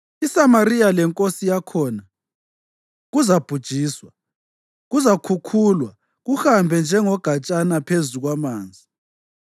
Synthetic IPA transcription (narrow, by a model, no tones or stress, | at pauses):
isamarijalɛŋkʼosijakʰɔna | ɣuzab̥ʱud̥ʒ̥ʱiːswa | ɣuzakʰukʰulwa | ɣuxambʱɛnd͡ʒʱɛŋɔɡ̥ʱat͡ʃʼanapʰezuɣwamaːnd͡zʱi